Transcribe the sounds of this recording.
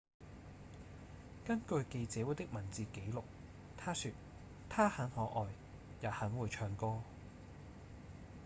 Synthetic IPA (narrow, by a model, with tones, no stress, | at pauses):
kɐ˥nkɵ˧ɥke˧jt͡sɛː˨˥wu˨˥jt̪ɪ˥k̚mɐ˨˩nt͡siː˨ke˨˥jlʊ˨k̚ | t̪ʰaː˥syː˧t̚ | t̪ʰaː˥hɐ˨˥nhɔː˨˥ʔɔː˨j | jaː˨˩hɐ˨˥ŋwuː˨˧jt͡ʃʰœː˧ŋkɔː˥